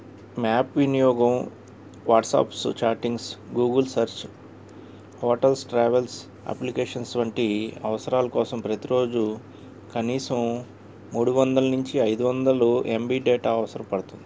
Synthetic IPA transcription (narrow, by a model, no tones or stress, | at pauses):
maːpʋinijɔːɡɐm | ʋaːʈsa̰ːpst͡ʃaːɾʈiŋɡsɡuːɡɐlsɐɾt͡ʃ | hɔːʈɐlsʈɾaːʋels | ɐ̰plikeːʂɐnsʋɐɳʈiɐ̰ʋɐsɐɾaːlɐkɔːsɐmpɾɐt̪iɾo̞ːd͡ʒu | kɐniːsɐmː | uːɽuʋɐnd̪ɐlɐnuɲt͡ʃiɐjd̪uʋɐnd̪ɐluʔembiːɖɛːʈaːɐʋɐsɐɾɐmpɐɽut̪und̪ii